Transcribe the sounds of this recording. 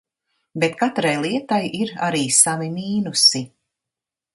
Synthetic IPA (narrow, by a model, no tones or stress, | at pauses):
bet̪kat̪ɾajlˠiɛt̪ajʔiɾaɾiːsavimiːnusi